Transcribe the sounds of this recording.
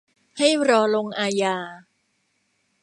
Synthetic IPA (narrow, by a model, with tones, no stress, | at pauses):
ha˥˩jɾɔː˧lo˧ŋʔaː˧jaː˧